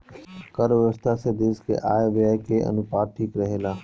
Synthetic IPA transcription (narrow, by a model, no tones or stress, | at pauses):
kəɾʋɪəst̪ʰased̪eːskḛʔa̰ːeʋjaːkeʔə̰nʊpaːʈʰiːkɾəɦeːlaː